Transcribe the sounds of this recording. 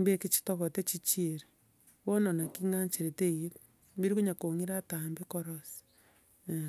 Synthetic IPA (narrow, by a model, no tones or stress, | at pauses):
mbekit͡ʃi̥toɣotet͡ʃit͡ʃieɾe | βononakiŋaɲt͡ʃeɾetejit | mbiɾikuɲakoŋiɾatambekɔɾos